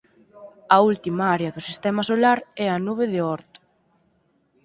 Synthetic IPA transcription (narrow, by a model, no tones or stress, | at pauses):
ɐult̪imaaɾeɐðʊsist̪ɛmɐsolaɾɛɐnuβ̞eðɪɔɾt̪ʊ̥